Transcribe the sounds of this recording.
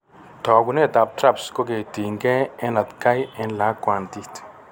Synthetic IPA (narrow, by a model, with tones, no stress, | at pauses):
t̪ɔ˨ɡu˧ne˦˨t̪a˨b̚t̪ɾa˦˨bsko˦ɡe˨t̪i˨ŋɡe˦e˦nla˨t̪ka˦jɪ˧nla˨˦kʷa˨nt̪i˦t̪